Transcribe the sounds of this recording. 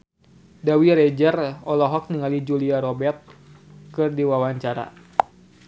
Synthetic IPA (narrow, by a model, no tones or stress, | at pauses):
dawiɾɛd͡ʒərɔlɔɦɔk̚niŋalid͡ʒuliaɾɔbɛrt̪̚ | kɨrdiwawaɲt͡ʃaɾa̰